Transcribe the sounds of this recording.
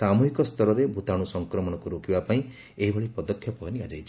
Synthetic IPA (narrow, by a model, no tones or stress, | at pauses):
amuɦikɔst̪ʰɔɾɔɾebʱut̪aɽ̃usɔŋkɾɔmɔɽ̃ɔkuɾokibapaĩ | eɦibʱɔɭipɔd̪ɔkʰːjɔpɔɦɔniad͡ʒajt͡ʃʰi